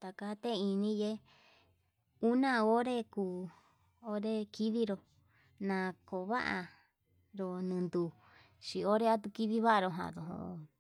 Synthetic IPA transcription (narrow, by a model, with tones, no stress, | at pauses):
t̪a˨ka˧˦t̪e˦˧i˧nĩ˦je˦ | u˦nã˧o˦ɾe˦kuː˧˨ | o˦ɾe˦ki˦ði˦ɾo˨ | nã˧˨ko˨βa̰˦ʔa̰˧ | ɾo˧nɨ̃˨˧nd̪u˨ | ʃi˧˨o˦ɾe˦a˦t̪u˧ki˦ði˦βa˦ʔa˧ɾo˧ɦã̰˧˨ðo˨ɦõ̰˧˨